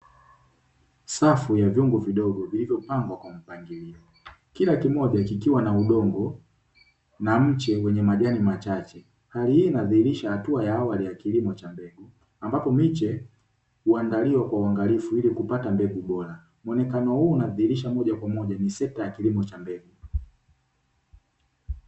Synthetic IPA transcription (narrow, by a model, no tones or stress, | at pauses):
safujavjɔŋɡuviɗɔɡɔvilivjɔpaŋɡwakwam̩paŋɡiliɔ | kilakimɔʄakikiwanauɗɔŋɡɔ | nam̩t͡ʃɛwɛɲɛmaʄanimat͡ʃat͡ʃɛ | halihinaðihiɾiʃahatuajaawalijakilimɔt͡ʃambɛɡu | ambapɔmit͡ʃɛ | uaŋɡaliwakwauwaŋɡalifuilikupatambɛɡuɓɔɾa | mwɔnɛkanɔhunaðihiɾiʃamɔʄakwamɔʄanisɛtajakilimɔt͡ʃambɛɡu